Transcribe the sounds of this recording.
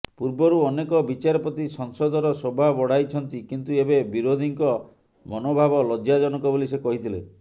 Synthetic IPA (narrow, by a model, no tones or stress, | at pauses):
puɾbɔɾuɔnekɔbit͡ʃaɾɔpɔt̪isɔŋsɔd̪ɔɾɔsobʱabɔɽ̤ajt͡ʃʰɔnt̪ikint̪uebebiɾod̪ʱiŋkɔ | mɔnobʱabɔlɔd͡ʒjad͡ʒɔnɔkɔbolisekɔɦit̪ʰile